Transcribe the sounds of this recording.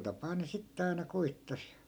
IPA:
tɑpɑː ne sitːe ɑinɑ koitːɑs

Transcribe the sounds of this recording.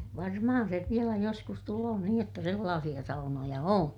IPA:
ʋɑrmɑhɑn seʋ ʋielæ joskus tuloː niːj jotːɑ selːɑːsij̆ɑ sɑunojɑ õː

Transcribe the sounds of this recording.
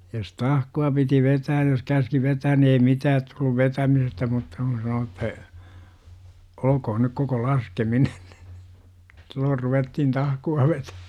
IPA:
jos tɑhkuɑ piti ʋetæːj jos kæski ʋetæːn ni ei mitæːt tulːuʋ ʋetæmisestæ mutːɑ kun̞ sɑno etːæ olə̆kohon nyk koko lɑskeminen n̥i̥ silːoːr ruʋetːihn tɑhkuɑ ʋetæ

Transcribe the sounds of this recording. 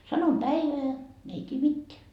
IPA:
sɑnom pæiʋeæ ne ei tʲie mitːeæ

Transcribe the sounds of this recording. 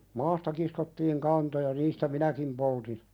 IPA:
mɑːstɑ kiskotːiːŋ kɑntojɑ niːstæ minækim poltin

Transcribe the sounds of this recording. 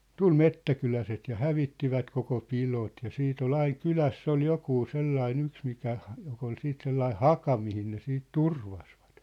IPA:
tul metːækylæset jɑ hæʋitːiʋæt koko pilot jɑ siːt ol ɑiŋ kylæsː ol jokuː selːɑin yks mikæ jok ol siːt selːɑi hɑkɑ mihin ne siːt turʋɑsʋɑ̥t

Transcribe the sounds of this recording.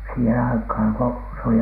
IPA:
siːhen ɑikhɑˑn ko se oli

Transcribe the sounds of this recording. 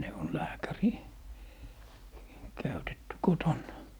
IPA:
ne on læːkæriˑ kæytetːy kotonːɑ

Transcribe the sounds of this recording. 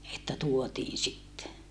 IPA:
etːæ tuotiːn sitːe

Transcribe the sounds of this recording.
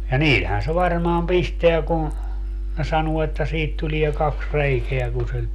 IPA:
jɑ niːlhæn se ʋɑrmɑːm pisteæ kun̞ ne sɑnuo etːæ siːt tulie kɑks reikeæ kun̞ sil

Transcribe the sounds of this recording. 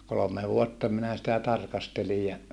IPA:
kolome ʋuotːɑ minæ sitæ tɑrkɑstelij jɑ

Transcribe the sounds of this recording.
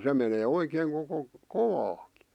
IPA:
se meneː oikeːŋ koko koʋɑːki̥

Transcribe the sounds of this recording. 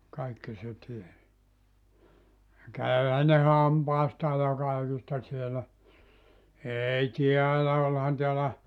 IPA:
kɑikːi se ties jɑ kæyhæ ne hɑmpɑistɑː jɑ kɑikistɑ sielæ eːi tiælæ olhɑn tiælæ

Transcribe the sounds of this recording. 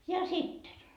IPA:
jɑ sitːen

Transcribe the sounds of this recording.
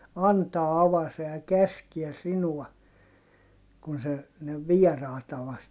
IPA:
ɑntɑː ɑʋɑse jɑ kæskiɛ sinuɑ kun se ne ʋiɛrɑˑitɑ ʋɑste

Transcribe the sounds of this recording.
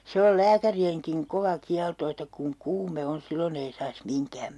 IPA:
se ol læːkærieŋkiŋ koʋɑ kiɑlto etːæ kuŋ kuːme on̞ silːon ei sɑis miŋkæm

